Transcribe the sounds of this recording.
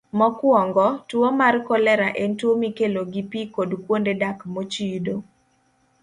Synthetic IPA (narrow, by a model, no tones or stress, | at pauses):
mɔkwɔŋɡɔtwomarkɔlɛɾaʔentwomikeloɡipikodkwondedakmot͡ʃido